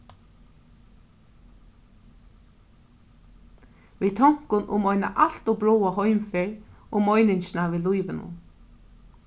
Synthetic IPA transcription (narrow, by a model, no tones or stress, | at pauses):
viːt̪ʰɔŋ̥kʊnʔʊ̰mɔjna̰ʔal̥t̪ɔbɹɔːwaɦɔjmfɛɹʊmɔjnɪɲʃɪnaviːlujvɪnʊ̰n